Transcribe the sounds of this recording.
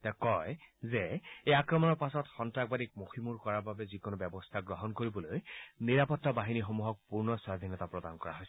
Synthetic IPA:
tɛkɔjzɛejakɹɔmɔnɔɹpasɔtxɔntɹaɡbadik̚moximuɹkɔɹaɹbabɛzikonobɛbɔstʰaɡɹɔɦɔnkoɹibɔlojniɹapɔtːabaɦinixomuɦɔk̚puɹnɔswad̪ʱinɔtapɹɔdankɔɹa̰ɦojs

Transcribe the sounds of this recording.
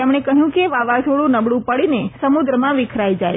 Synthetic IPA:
emɳ̃ekəɦjũkeʋaʋatʰoɽũnəbɽũpəɽinesəmud̪ɾəmãʋɪkʰɾajd͡ʒaj

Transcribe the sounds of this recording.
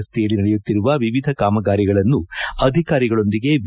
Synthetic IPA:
st̪ʰɛjɐɭːinɐɽɛjut̪ːiɾuʋɐʋiʋid̪ʱɐkaːmɐɡaːɾiɡɐɭɐnːuɐd̪ʱikaːɾiɡɐɭo̞nd̪iɡe̞ʋ

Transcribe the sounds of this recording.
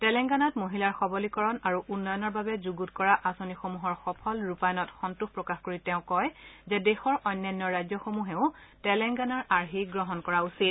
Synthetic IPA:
tɛlɛŋɡanɔtmoɦilaɹxɔbɔlikɔɹɔnaɹuʔunːɔjɔnɔɹbabɛzuɡutkɔɹaʔasonixomuɦɔɹxɔpʰɔlɹupajɔnɔtxɔntuxpɹɔkaxkoɹitɛʊ̃kɔjzɛdexɔɹʔɔjnːɔnːjɔɹajzɔxomuɦɛʊ̃tɛlɛŋɡanaɹʔaɹɦiɡɹɔɦɔnkɔɹausit̚

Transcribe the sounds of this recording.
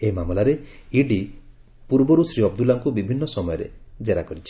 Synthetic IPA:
eimamɔlaɾeiɖi | puɾbɔɾusɾiɔbd̪ulaŋkubibʱinːɔsɔmɔjɔɾḛd͡ʒeɾakɔɾit͡ʃʰi̥

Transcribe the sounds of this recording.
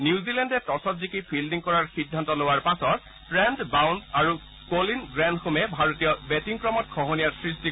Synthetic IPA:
nizilɛndɛtɔsɔtzikipʰildiŋkɔɹaɹxidʱːantɔlowaɹpasɔt | pɹɛndbawndaɹu | kolinɡɹandxomɛbʱaɹotijɔbɛtiŋkɹɔmɔt̚kʰɔɦonijaɹsɹisti

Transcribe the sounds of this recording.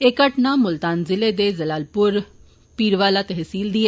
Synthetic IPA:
ekəʈnaːmʊlt̪aːnzɪleːd̪eːzəlaːlpʊɾ | piːɾʋaːlaːt̪ɛɦsiːld̪iːɛ

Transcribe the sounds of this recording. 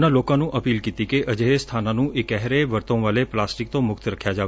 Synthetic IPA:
nalokanũʔəpilkit̪ĩkeʔəd͡ʒeest̪ʰananũʔekɛɦɾeʋəɾt̪õʋaleplasʈik̚t̪omʊkt̪ɾəkʰjad͡ʒaʋ

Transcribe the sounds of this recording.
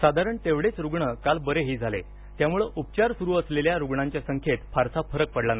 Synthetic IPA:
sad̪ʱaɾəɳt̪eʋɽet͡sɾuɡɳəkalbəɾeɦiːd͡zʱalḛ | t̪jamuɭeʔupt͡ɕaɾsuɾuːəsleljaɾuɡɳaɲt͡ɕjasəŋkʰet̪faɾsafʰəɾək̚pəɽlana

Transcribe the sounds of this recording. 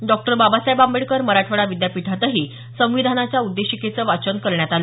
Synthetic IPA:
ɖɔk̚ʈəɾbabasajbambeɽkəɾməɾaʈʰəɽaʋid̪japit̪ʰat̪əɦiː | sə̃w̃ʋid̪ʱanat͡ɕjaud̪ːeɕiket͡səːʋat͡ɕənkəɾɳjat̪alə

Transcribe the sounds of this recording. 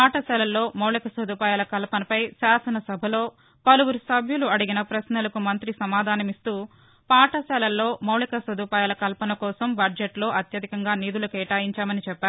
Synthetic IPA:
paːʈɐsɛːlɐlːo̞ːmɐwlikɐsɐd̪uːpaːjalɐkɐlɐpɐnɐpɐjsaːsɐnɐsɐbʱɐlo̞ː | pɐluwuɾusɐbʱjuluɐɽiɡinɐpɾɐsnɐlɐkumɐnt̪ɾisɐmaːd̪ʱaːnɐmist̪uː | paːʈɐsɛːlɐlːo̞ːmɐwɭikɐsɐd̪uːpaːjalɐkɐlpɐnɐkɔːsɐmbʱɐɖd͡ʒeʈlo̞ːʔɐt̪jɐd̪ʱikɐŋɡaːniːd̪ulɐkɛːʈaːjiɲt͡ʃaːmɐnit͡ʃɛpːaːɾu

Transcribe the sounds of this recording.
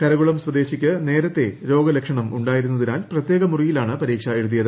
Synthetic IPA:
kɐɾɐɣuɭɐmsʋwɐd̪e̞ːɕikʲːɨne̞ːɾɐt̪ːe̞ɾo̞ːɡɐlekʂɐɳɐmuɳɖaːjiɾunːɐðinaːlprɐt̪je̞ːɡɐmurijilaːɳɨpɐɾiːkʂɐe̞ɻut̪̬ːijɐðɨ

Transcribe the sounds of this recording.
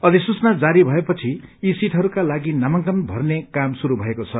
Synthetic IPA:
ʌd̪isut͡snad͡zaɾibʱʌepʌt͡sʰiisiʈʰɦʌɾukalaɡinamʌŋkʌnbʱʌrnekamsuɾubʱʌekot͡sʰʌ

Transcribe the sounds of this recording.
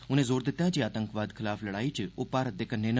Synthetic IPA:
ʊnẽːzoːɾd̪ɪt̪ːjãːd͡ʒiːaːt̪əŋkʋaːd̪kʰɪlaːfləɽaːiːt͡ʃoːpaɾd̪ekənːeːn

